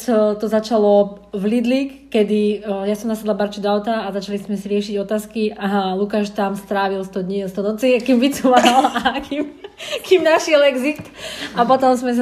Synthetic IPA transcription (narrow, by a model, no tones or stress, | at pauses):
t̪ɔzat͡ʃalɔ | vlid̪likːɛd̪ijasɔmnasad̪labaɾt͡ʃud̪ɔaʊt̪aːzat͡ʃalizmɛsiɾɪɛʃiɟɔt̪aːskiʔaɦalukaʃt̪amst̪ɾaːʋilst̪ɔd̪ɲist̪ɔnɔt͡sikimvit͡sumaalakimkiːmnaʃɪɛlɛɡzikt̪apɔt̪ɔmzmɛs̬